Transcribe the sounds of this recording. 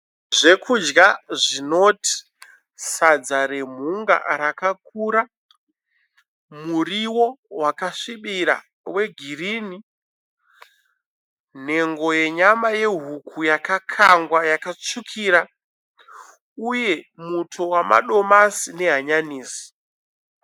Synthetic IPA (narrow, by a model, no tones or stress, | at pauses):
ʐe̞kʰud͡ʒɡaʐino̞ti̥ | sad͡zaɾe̞m̤uŋɡa̰ɾakak̚uɾa | muriwo̞wakaʂiɓiɾa̰ | we̞ɡʱiriːni | n̤e̞ŋɡo̞je̞ɲamaje̞ɦukʰujakakʰaŋɡwajakat͡ʂukʰiːɾa | uje̞mutʰo̞wama̰ɗo̞masine̞ɦaɲaniːsi̥